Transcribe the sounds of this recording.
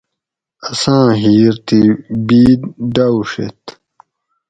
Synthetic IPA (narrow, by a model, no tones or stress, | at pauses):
ɐsãːɦiːɾt̪ibiːd̪ɖawʂḛt̪